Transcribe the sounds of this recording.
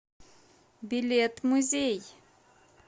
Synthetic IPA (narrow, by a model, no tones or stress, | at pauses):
bilet̪muzej